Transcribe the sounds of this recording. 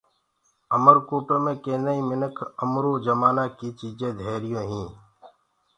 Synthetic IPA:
əməɾkuːpẽːmẽːkẽːnaːiːmɪnəkʰəmɾoːd͡ʒəmaːnaːkiːt͡ʃiːd͡ʒẽːd̪ʱeːɾɪjõːɦĩː

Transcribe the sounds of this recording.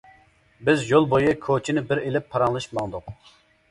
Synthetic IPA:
bɪzjolˠbojɨkʰot͡ʃʰinɪbɪɾelɪpʰːɑɾɑŋlˠɨʃmɑŋd̪ʊq

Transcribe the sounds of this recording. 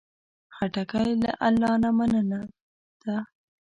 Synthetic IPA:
xaʈakajla̰ʔalːɑnamanəna | d̪̥a

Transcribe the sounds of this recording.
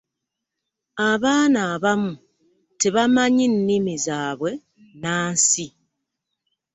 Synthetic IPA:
aβaːnaːβamu | te̞βamaɲinːimizaːβwe̞ | naːnsi

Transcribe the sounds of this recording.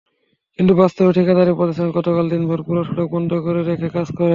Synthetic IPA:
kint̪ubast̪oɾoʈʰikad̪aɾipɔɾesʰeɡɔt̪okald̪inbʱoɾpuɾoʈʰoʈok̚bɔnd̪okoɾeɾekʰekad͡zkoɾe

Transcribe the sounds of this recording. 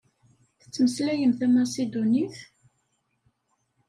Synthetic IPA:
θə̥t͡sːməslæjəmθæmasid̪ʊniθ

